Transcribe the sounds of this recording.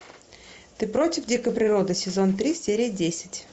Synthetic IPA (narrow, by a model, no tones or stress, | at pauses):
t̪ɨpɾo̞tʲɪfdʲikəpɾʲɪɾo̞d̪ɨsʲɪzo̞nt̪ɾʲisʲeɾʲɪjdʲesʲɪ̥tʲ